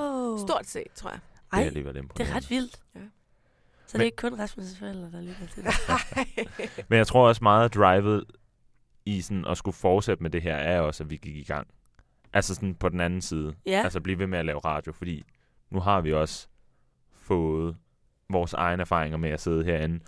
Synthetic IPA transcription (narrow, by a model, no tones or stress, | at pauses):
sdo̝ɐ̰d̥se̝̰d̥t͡sʰʁo̰ɐ̰jaelḭːʋælˠe̝mpʰɒ̥ḛʁɑdʋil̰d̥ | sɒdeeɡ̥əkʰɔ̽nʁɑsməsfɒel̰d̥ɐd̥ɑ̈lyɡ̥ɐt͡sʰed | menjäɪt͡sʰʁo̝ɐ̰ɒ̽smɑ̈ːð̩ˠd̥ʁɑ̈ɪʋð̩ˠ | isɒnʔɒ̽sɡ̥ufɒːd̥sed̥əmed̥e̝ɦæɐ̰æɐjɒ̽sæʋiɡ̥iɡ̥iɡ̥ɑ̈ŋ̰ | ʔælsəsɒ̽npʰɒ̽d̥en̩ænn̩siːð̞ˠəælsəb̥liːʋe̝meælɛːʊʁɑ̈ːd̥jo̝fɒd̥ḭː | nuɦɑ̈ʋiɒ̽s | fɔ̽ːð̩ˠ | ʋɒːsɑ̈ɪnəæɐfɑ̈ːʁeŋɐmeæse̝ð̞ˠəɦḛɐ̰enn̩